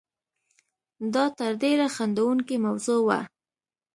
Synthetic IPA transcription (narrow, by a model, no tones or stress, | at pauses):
d̪ɑt̪əɾd̪eɾaxand̪awuŋkimawzowa̰